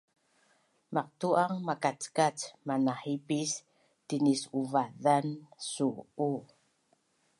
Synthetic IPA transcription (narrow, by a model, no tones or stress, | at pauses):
maq̚tuʔaŋmakat͡skat͡smanaħipis | tinisuvaðansuu